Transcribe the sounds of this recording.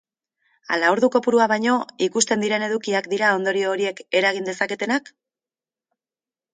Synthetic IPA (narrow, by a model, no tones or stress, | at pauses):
a̰laoɾðuko̞puɾuaβ̞ajɲo̞ikust̪e̞nd̪iɾe̞ne̞ðukiakd̪iɾao̞nd̪o̞ɾio̞ːɾie̞ke̞ɾaɣ̞ind̪e̞sake̞t̪e̞nak